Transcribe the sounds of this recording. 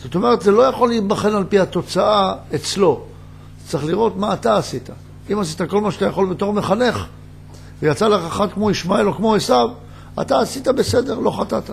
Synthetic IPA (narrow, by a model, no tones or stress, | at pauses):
z̥ot̪o̞me̞ʁet̪zelo̞jaχo̞liːtbaχe̞nalpihato̞t͡saaet͡slo̞̥ | t͡saχliʁo̞t̪maːt̪aːsit̪a | imasit̪ako̞lmaʃat̪ajaχo̞lbet̪o̞ʁmeχane̞χ | vejat͡salaχaχat̚kmo̞iʃmae̞lo̞kmo̞esav | a̰t̪aːsit̪abe̞se̞de̞ʁlo̞χat̪at̪a